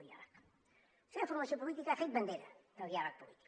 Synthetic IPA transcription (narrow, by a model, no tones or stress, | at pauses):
ɣia̰ɾak | seɐ̃fuɾmɐsjõpulit̪ikɐɛsejd̪̚βɐ̃nd̪ejɾɐp̪ɐɣiaɾak̚pulit̪i̥k